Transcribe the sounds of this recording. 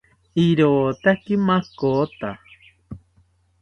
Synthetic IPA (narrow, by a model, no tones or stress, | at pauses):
iɾoːt̪akimakot̪a